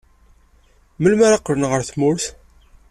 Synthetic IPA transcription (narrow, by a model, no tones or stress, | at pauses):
məlmæɾaqːəɾənʁəɾθmʊɾθ